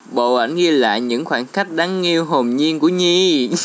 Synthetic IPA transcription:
ɓo̰˧˨ʔa̰˧˩jnɣi˧əla̰ː˧˨jɲɨ̰˧˥ŋxwaː˧˩nxa˦˥jk̟̚ɗaː˨˦ŋŋi˧əwɦo˨˩mɲi˧ənku˧˩əɲi˧

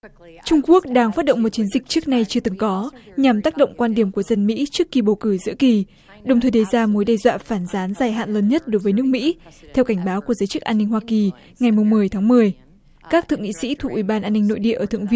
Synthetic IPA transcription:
t͡ɕʊ˧ŋ͡mku˦˥ək̚ɗaː˧ŋfaː˦˥t̚ɗo̰˧˨ŋ͡mmo˨˩t̚t͡ɕi˨˦ənzï˨˩k̟̚t͡ɕɨ˦˥ək̚na˧jt͡ɕɨ˧ət̪ɨ˨˦ŋkɔ˨˦ɲa˨˩mt̪aː˦˥k̚ɗo̰˧˨wŋ͡mkwaː˧nɗi˧˩əmku˧˩əzə˨˩nmḭ˧˥t͡ɕɨ˦˥əkːi˨˩ɓo˨˩kɨː˧˩zɨ̰˧˥əki˨˩ | ɗə˨˩wŋ͡mt̪ʰəː˨˩jɗə˨˧˦jzaː˧mo˨˦jɗa˧˩jzwa̰ː˧˨faː˧˩nzaː˨˦nzaː˨˩jɦa̰ː˧˨nləː˨˧˦nɲə˦˥t̚ɗo˨˦jvəː˨˦nɨ˦˥ək̚mḭ˧˥t̪ʰɛ˧wka˧˩ŋɓaː˨˦wku˧˩əzəː˨˦jt͡ɕɨ˦˥k̚ʔaː˧nːï˧ŋ̟hwaː˧ki˨˩ | ŋa˨˩jmʊ˨˩ŋ͡mːɨ˨˩əjt̪ʰaː˨˦ŋmɨ˨˩əj | kaː˦˥k̚t̪ʰɨ̰˧˨əŋḭ˧˨sḭ˧˥t̪ʰu˨˩k̚ʔwi˧˩ɓaː˧nʔaː˧nːɪ̈˧ŋno̰˧˨jɗḭ˧˨ʔəː˧˩t̪ʰɨ˧˨ŋvi˧

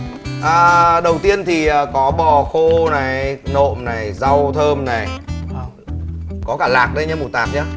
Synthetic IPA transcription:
ʔəː˨˩ɗə˨˩wt̪i˧ənt̪ʰi˨˩ʔəː˨˩kɔ˨˦ɓɔ˨˩xo˧na˨˩jno̰˧˨mna˨˩jza˧wt̪ʰəː˧mna˨˩j | kɔ˨˦kaː˧˩laː˨˩k̚ɗə˧jɲaː˧mu˨˩t̪aː˨˩t̚ɲaː˧

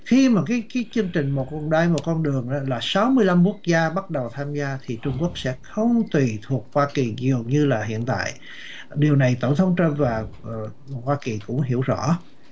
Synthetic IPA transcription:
xi˧maː˨˩kaː˨˦jkaː˨˦jt͡ɕɨ˧əŋt͡ɕï˨˩ŋ̟mo˨˩t̚kɔ˧nɗaː˧jmo˨˩t̚kɔ˧nɗɨ˨˩əŋʔaː˨˦laː˨˩sa˨˦wmɨ˧əjla˧mku˦˥ək̚zaː˧ɓa˦˥t̚ɗə˨˩wt̪ʰaː˧mzaː˧t̪ʰi˨˩t͡ɕʊ˧ŋ͡mku˦˥ək̚sɛ̰˧˥xə˧wŋ͡mt̪wi˨˩t̪ʰu˨˩ək̚hwaː˧ki˨˩zi˨˩ə˩wɲɨ˧laː˨˩ɦḭ˧˨ənt̪a̰ː˧˨j | ɗi˨˩əwna˨˩jt̪o˧˩ŋ͡mt̪ʰə˨˦wŋ͡mt͡ɕə˧mvaː˨˩˨ | hwaː˧ki˨˩kʊ̰˧˥ŋ͡mɦḭ˧˩əwzɔ̰˧˥

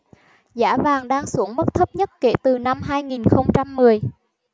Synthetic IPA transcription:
za̰ː˧˥vaː˨˩ŋɗaː˧ŋsu˧˩əŋmə˦˥k̚t̪ʰə˦˥p̚ɲə˦˥t̚ke˧˩t̪ɨ˨˩na˧mɦaː˧jŋi˨˩nxə˧wŋ͡mt͡ɕa˧mːɨ˨˩əj

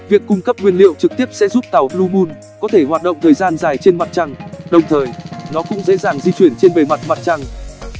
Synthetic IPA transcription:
vi˨˩əkːʊ˧ŋ͡mkə˦˥p̚ŋwi˧ənlḭ˧˨əwt͡ɕɨ˨˩k̚t̪i˦˥əp̚sɛ̰˧˥zu˦˥p̚t̪a˨˩wlu˧ɓu˧n | kɔ˨˦t̪ʰe˧˩ɦwaː˨˩t̚ɗə̰˧˨wŋ͡mt̪ʰəː˨˩jzaː˧nzaː˨˩jt͡ɕe˧nma˨˩t̚t͡ɕa˧ŋɗə˨˩wŋ͡mt̪ʰəː˨˩jnɔ˨˦kʊ̰˧˥ŋ͡mzḛ˧˥zaː˨˩ŋzi˧t͡ɕwi˧˩ənt͡ɕe˧nɓe˨˩ma˨˩t̚ma˨˩t̚t͡ɕa˧ŋ

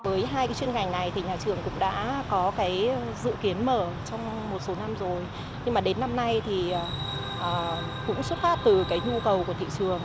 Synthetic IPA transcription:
vəː˨˦jɦaː˧jka˨˦t͡ɕwi˧ənŋha˨˩ŋ̟na˨˩jt̪ʰi˨˩ɲaː˨˩t͡ɕɨ˨˩əŋkʊ̰˧˥ŋ͡mɗa̰ː˧˥kɔ˨˦kaː˨˦jzɨ̰˧˨ki˨˦ənməː˧˩t͡ɕɔ˧wŋ͡m | mo˨˩t̚so˨˦na˧mzo˨˩j | ɲɨ˧ŋmaː˨˩ɗe˨˦nːa˧mna˧jt̪ʰi˨˩ʔː | ʔəː˨˩ | kʊ̰˧˥ŋ͡mswə˦˥t̚faː˦˥t̚t̪ɨ˨˩kaː˨˦jɲu˧kə˨˩wku˧˩ət̪ʰḭ˧˨t͡ɕɨ˨˩əŋ

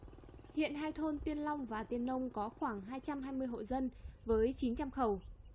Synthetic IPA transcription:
hḭ˧˨ənɦaː˧jt̪ʰo˧nt̪wi˧ənla˧wŋ͡mvaː˨˩t̪i˧ənːə˧wŋ͡mkɔ˨˦xwaː˧˩ŋɦaː˧jt͡ɕa˧mɦaː˧jmɨ˧əjho̰˧˨zə˧nvəː˨˦jt͡ɕi˨˦nt͡ɕa˧mxə˨˩w

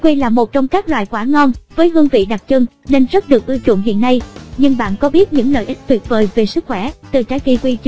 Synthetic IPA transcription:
kwi˧laː˨˩mo˨˩t̚t͡ɕɔ˧wŋ͡mkaː˦˥k̚lwa̰ː˧˨jkwaː˧˩ŋɔ˧nvəː˨˦jɦɨ˧əŋvḭ˧˨ɗa˨˩t̚t͡ɕɨ˧ŋne˧nzə˦˥t̚ɗɨ˨˩ək̚ʔɨ˧wt͡ɕṵ˧˨ənɦḭ˧˨ənːa˧jɲɨ˧ŋɓa̰ː˧˨nkɔ˨˦ɓi˦˥ət̚ɲɨ̰˧˥ŋlə̰ː˧˨jʔi˦˥k̟̚t̪ʰwi˨˩ət̚vəː˨˩jve˨˩sɨ˦˥k̚xwɛ˧˩t̪ɨ˨˩t͡ɕaː˨˦jki˧kwi˧t͡ɕ

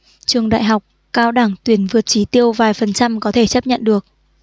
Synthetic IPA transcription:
t͡ɕɨ˨˩əŋɗa̰ː˧˨jɦa˨˩wk͡p̚ | kaː˧wɗaː˧˩ŋt̪wi˨˧˩ənvɨ˨˩ət̚t͡ɕi˨˦t̪i˧əwvaː˨˩jfə˨˩nt͡ɕa˧mkɔ˨˦t̪ʰe˧˩t͡ɕə˦˥p̚ɲə̰˧˨nɗɨ˨˩ək̚

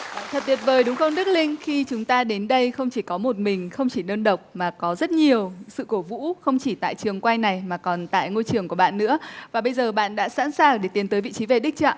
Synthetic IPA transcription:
t̪ʰə˨˩t̪i˨˩ət̚vəː˨˩jɗʊ˨˦ŋ͡mxə˧ŋ͡mɗɨ˦˥k̚lï˧ŋ̟xi˧t͡ɕʊ˨˦ŋ͡mt̪aː˧ɗe˨˦nɗə˧jxə˧wŋ͡mt͡ɕi˧˩kɔ˨˦mo˨˩t̚mï˨˩ŋ̟xə˧wŋ͡mt͡ɕi˧˩nəː˧nɗə˨˩wk͡p̚maː˨˩kɔ˨˦zə˦˥t̚ɲi˨˩əwsɨ̰˧˨ko˧˩vṵ˧˥xə˧wŋ͡mt͡ɕi˧˩t̪a̰ː˧˨jt͡ɕɨ˨˩əŋkwa˧jna˨˩jmaː˨˩kɔ˨˩nt̪a̰ː˧˨jŋo˧jt͡ɕɨ˨˩əŋku˧˩əɓa̰ː˧˨nːɨ̰˧˥əvaː˨˩ɓə˧jzəː˨˩ɓa̰ː˧˨nɗa̰ː˧˥sa̰ː˧˥nsaː˨˩ŋɗe˧˩t̪i˨˦nt̪əː˨˦jvḭ˧˨t͡ɕi˨˦ve˨˩ɗï˦˥k̟̚t͡ɕa̰ː˧˨

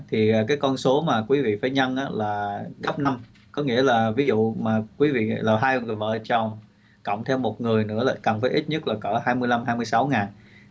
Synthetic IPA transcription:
t̪ʰiː˨˩˨kaː˨˦jkɔ˧nso˨˦maː˨˩kwi˨˦vḭ˧˨faː˧˩˦jɲə˧nʔaː˨˦laː˨˩ɣə˦˥p̚na˧m | kɔ˨˦ŋḭ˧˥əlaː˨˩vi˨˦zṵ˧˨maː˨˩kwi˨˦vḭ˧˨laː˨˩ɦaː˧jŋɨ˨˩jvə̰ː˧˨ʔt͡ɕɔ˧ | kə̰˧˨wŋ͡mt̪ʰɛ˧wmo˨˩t̚ŋɨ˨˩əjnɨ̰˧˥əlaː˨˩kə˨˩nfaː˨˦jʔi˦˥t̚ɲə˦˥t̚laː˨˩kəː˧˩haː˧jmɨ˧əjla˧mɦaː˧jmɨ˧əjsa˨˦wŋaː˨˩n

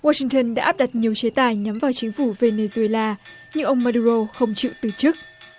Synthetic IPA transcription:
waː˧si˧ŋt̪ə˧nɗa̰ː˧˥ʔaː˦˥p̚ɗa˨˩t̚ɲi˨˩əwt͡ɕe˨˦t̪aː˧˩jɲa˨˦mvaː˨˩wt͡ɕï˨˦ŋ̟fu˧˩ve˧ne˧zu˧e˧laː˧ | ɲɨ̰˧ŋʔə˧wŋ͡mmaː˧ɗu˧ɾo˧xə˧wŋ͡mt͡ɕḭ˧˨wt̪ɨ˨˩t͡ɕɨ˦˥ək̚

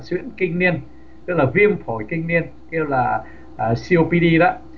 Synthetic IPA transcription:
swḭ˧˥ənkï˧ŋ̟ni˧ən | t̪ɨ˦˥k̚laː˨˩vi˧əmpʰo˨˩˦jkï˧ŋ̟ni˧ən | ke˧wlaː˨˩ | ʔə˨˩si˧o˧pi˧ɗi˧ɗɔ̰˧˦

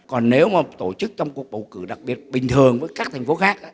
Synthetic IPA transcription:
kɔ˨˩nːne˨˦wmaː˨˩t̪o˧˩t͡ɕɨ˦˥k̚t͡ɕɔ˧wŋ͡mku˨˩ək̚ɓə̰˧˨wkɨ̰˧˩ɗa˨˩k̚ɓi˨˩ət̚ɓï˨˩ŋ̟t̪ʰɨ˨˩ə˩ŋvəː˨˦jkaː˦˥k̚t̪ʰjŋ̟fo˨˦xaː˦˥k̚ʔaː˧˦

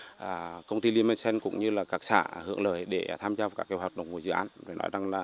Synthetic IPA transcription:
ʔəː˨˩kə˧wŋ͡mt̪i˧li˧əma˧sɛ˧nkʊ̰˧˥ŋ͡mɲɨ˧laː˨˩kaː˨˩k̚sa̰ː˧˩hɨ̰˧˨əŋləː˧˨˩jɗe˧˩˨t̪ʰaː˧mzaː˧va˨˩kaː˦˥kːwhwaː˨˩t̚ɗə̰˨˩wŋ͡mvu˨˧˩jzɨ̰˧˨ʔa̰ː˨˦nzo˨˩jnɔ̰˨˦jza˨˩ŋlaː˨˩

